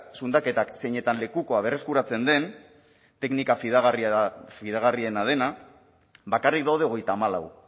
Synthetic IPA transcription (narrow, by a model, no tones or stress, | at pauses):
sund̪ake̞t̪akse̞jɲe̞t̪anle̞kuko̞aβ̞e̞re̞skuɾat͡se̞nd̪e̞n | t̪e̞knikafiðɣfiðaɣarie̞nað̞e̞na | bakarik̚d̪awð̞e̞o̞ɣ̞e̞jt̪aːmala̰w